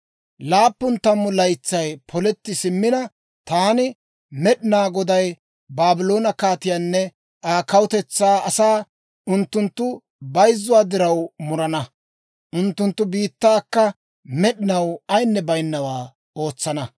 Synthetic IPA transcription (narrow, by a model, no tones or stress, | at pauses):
laːpːʊnt̪ːɐmːʊlɐjt͡sːɐjpʰɔlɛt̪ːɪsɪmːɪnɐ | t̪aːnɪ | mɛɗɪnaːɡɔd̪ɐj | baːbɪlo̞ːnɐkaːt̪ɪjaːnːɛ | aːkɐwʊt̪ɛt͡sːaːɐsaː | ʔʊnt̪ːʊnt̪ːʊ | bɐjzːʊwaːd̪ɪɾɐwmʊɾɐnɐ | ʔʊnt̪ːʊnt̪ːʊbiːt̪ːaːkːɐ | mɛɗɪnɐwɐjnːɛbɐjnːɐwaː | o̞ːt͡sːɐnɐ